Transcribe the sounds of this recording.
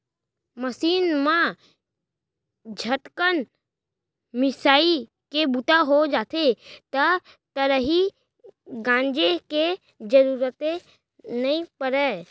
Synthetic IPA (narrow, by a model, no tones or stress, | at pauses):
məsiːnmã | d͡ʒʱəʈkən | mɪsaːi | kebʊt̪aɦod͡ʒaːt̪ʰet̪ə | t̪əɾəɦi | ɡãːnd͡ʒeke | d͡ʒəɾuːɾət̪e | nəĩpəɾɛ